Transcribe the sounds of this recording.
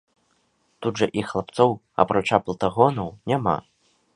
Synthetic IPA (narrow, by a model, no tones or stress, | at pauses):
t̪ud̪ʐɐʔixlˠap̚t̪sɔw | a̰pɾat͡ʂaplˠt̪aɣɔnɐwnʲama̰